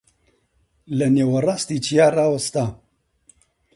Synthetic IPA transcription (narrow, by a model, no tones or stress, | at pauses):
lɐneːwɐraːst̪iːt͡ʃʰijaːraːwɐst̪a